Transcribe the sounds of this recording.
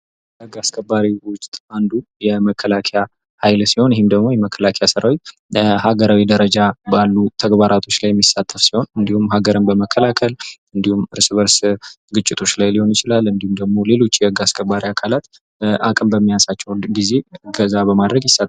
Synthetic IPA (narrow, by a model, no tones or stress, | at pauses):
əɡaskʰʼəbaɾiwʊt͡ʃʼt̪ʼand̪ujɛməkʰːəlakʰeja | hajlsiho̞njɛɦɪmd̪əɡmo̞jɛməkʰːəlakʰejasɨɾawet | haɡəɾawid̪əɾəd͡ʒabalːut̪ʰəɡbaɾʔat̪ʰo̞t͡ʃːlajɛmːisːat̪ʰːəfsiho̞nɨnd̪ihumːɦaɡəɾɨmbəməkʰːəlakʰəlɨnd̪ihumɨɾsɨβəɾs | ɡɨt͡ʃʼːɪt̪ʰo̞t͡ʃːlajliho̞njɪt͡ʃɪlalɨnd̪ihumd̪əɡmo̞le̞lo̞t͡ʃːjɛəɡaskʰʼəbːaɾiakʰalat̪ | ʔakʼɨmbəmːijasat͡ʃːɛwɡize̞ɡəzabəmad̪ɾəɡjɪsːat̪ː